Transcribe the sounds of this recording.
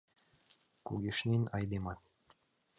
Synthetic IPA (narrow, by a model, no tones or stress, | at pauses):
kuɡʲiʃnʲinɑjd̪emɑt̪̚